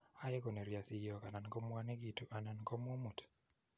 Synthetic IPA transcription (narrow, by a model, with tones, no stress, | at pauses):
a˦je˦ko˨ne˨ɾja˨si˨jɔ˨ka˨na˨n˨kɔ˦mwa˦ne˦ɡi˨tu˨ʔa˨na˨nkɔ˦m˦o˦mu˨t